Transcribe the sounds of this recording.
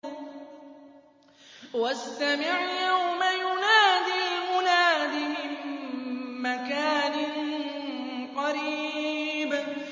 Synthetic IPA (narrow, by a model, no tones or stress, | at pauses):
wast̪amɪʕjawmajʊnaːd̪ilmʊnaːd̪imɪnː | akaːnɪn | qɑɾiːb